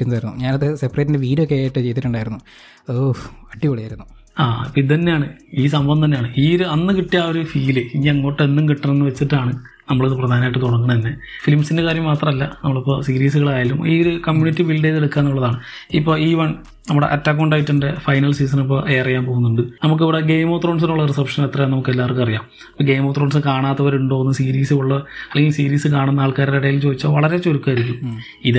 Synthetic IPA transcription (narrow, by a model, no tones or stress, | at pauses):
tːunːaːjɾunːuɲaːnɐðɨsepːreːtːindeʋiːɾokːeajaːjiʈːɨt͡ɕe̞jt̪iʈːuɳɖaːjiɾunːu | ɐðɨɐʈːipɐɽɐjaːiɾunːu | aːpːid̪ʱɐnːejaːɳɨiːsɐmbɐnd̪ʱɐnjaːɳɨiːoɾuɐnːɨkiʈːijaːoɾufiːlɨiɲːŋːo̞ːʈːenːumkiʈːɐnenːɨʋet͡ɕːiʈːaːɳɨ | nɐmːɐɭoðɨprɐd̪ʱaːnaːjiʈːɨt̪uɽɐŋːɐɳɐt̪inːe̞ | filmsindekaːɾjɐmːaːt̪rɐmɐlːɐnɐmːɐɭipːoːsiɾiːsuɣɐɭaːjalumiːoɾukɐmjuːnitːibilɖeːleɽukːaːnːuɭːɐðaːɳɨ | ipːo̞ːiːʋɐɳ | nɐmːuɽeʔɐtːaːk̬ːuuɳɖaːʋitːɐndefɐjnɐlsiːs̬ɐnipːo̞ːʔe̞ːrɐjaːmpo̞ːɣunːuɳɖɨnɐmuk̬ːiʋiɽeɡe̞jmoːt̪roːɳs̬inuɭːɐresɐpʂɐnet̪rɐjnɐmukːelːaːɐrkːɨɐrijaːm | ipːoːɡe̞jmoːt̪ro̞ːɳs̬ɨnɨkaːɳaːt̪ːɐʋɐɾeuɳɖo̞ːunːɨsiːɾiːsɨuɭːɐɐlːeŋɡilsiːɾiːsɨkaːɳunːɐaːɭkaːɾɐɽɐjilt͡ɕoːd̪it͡ɕːɐːʋɐɭɐɾet͡ɕoɾukːaːiɾikʲːum | iðɨ